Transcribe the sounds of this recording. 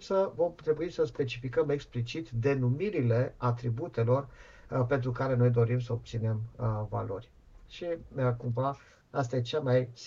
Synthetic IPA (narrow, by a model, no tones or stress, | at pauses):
səvo̞mt̪ɾe̞buisəspe̞t͡ʃifikəme̞ksplit͡ʃit̪d̪e̞numiɾile̞at̪ɾibut̪e̞lo̞r | pe̞nt̪ɾukaɾe̞nojd̪o̞ɾimsəob̚t̪sine̞mva̰lo̞̰rʲ | ʃinəkumva | ast̪ajet͡ʃamajs